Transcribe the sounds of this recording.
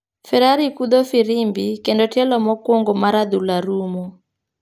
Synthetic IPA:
fɛɾaɾikud̪ɔfiɾimbikendotɛlɔmɔkwoŋɡomaɾad̪ulaɾumo

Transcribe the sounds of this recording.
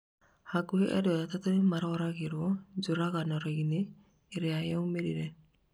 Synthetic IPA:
haɡuheʔɛɾjɔjatatomaɾɔɾaɣeɾwɔd͡ʒoɾaɣanɔɾeɣineː | ɾeajaumeɾḭɾɛ

